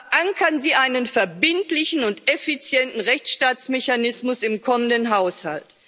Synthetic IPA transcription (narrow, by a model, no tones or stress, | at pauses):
ʔaŋkʰɐnziːʔaɪnənfɛɐbɪntlɪçn̩ʊntefit͡sjɛntn̩ʁɛçt͡sʃtaːt͡smeçanɪsmʊsɪmkʰɔməndənɦaʊsha̰lt